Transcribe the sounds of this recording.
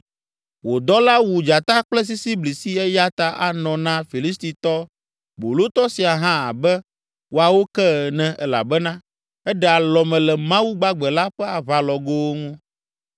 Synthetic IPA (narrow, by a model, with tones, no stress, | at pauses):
wo˨d̪ɔ˦la˦wu˨d͡ʒa˨t̪a˦k͡plɛ˦s̬i˦si˦bli˨si˦ɛ˦ja˦t̪a˦ʔa˨nɔ̃˨nã˦fi˨li˦st̪i˨t̪ɔ˦ | bo˨lo˦t̪ɔ˦si˨a˨ɦã˦a̰˨bɛ˦ | wo˨a˨wo˦kɛ˦˨nɛ̃˨ɛ˦la̰˨bɛ˦nã˦ | ɛ˦ɖɛ˦a˨lɔ˨mɛ̃˨lɛ˨mã˦wu˦ɡ͡ba˦ɡ͡bɛ˨la˦ɸɛ˦a˨βa˨lɔ˨ɡo˦wŋũ˦